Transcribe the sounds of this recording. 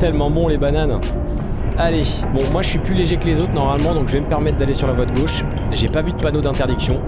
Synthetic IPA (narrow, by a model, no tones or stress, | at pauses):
t̪ɛlmɑ̃bɔ̃lebanan | ale | bɔ̃mwaʒəsɥiplyleʒeklezot̪χnɔʁmalmɑ̃d̪ɔ̃kʒəvɛməpɛʁmɛt̪χd̪alesyʁlavwad̪əɡoʃ | ʒepavyd̪əpanod̪ɛ̃t̪eʁd̪iksjɔ̃